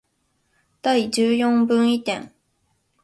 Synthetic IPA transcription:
t̪aid͡ʑɨjõŋbɯ̃ŋit̪ḛ̃ŋ

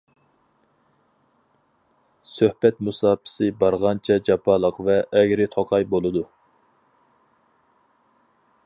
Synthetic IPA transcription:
søhbɛt̪musɑːpʰɪ̥sɨbɑɾʁɑnt͡ʃʰɛd͡ʒɑpʰɑlˠəqvɛʔːɡʲɾɪt̪ʰoqʰɑjbolˠɨd̪u

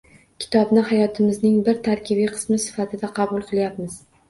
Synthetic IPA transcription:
kʲʰɪ̥t̪ʰɒbnɪhajɒt̪ʰɪmɪznɪŋbɪɾt̪ʰaɾkʲʰɪbiqʰɨ̥smɪsɪ̥fat̪ʰɪd̪aqʰɑbʊlˠqʰɨlˠjapmɪz̥

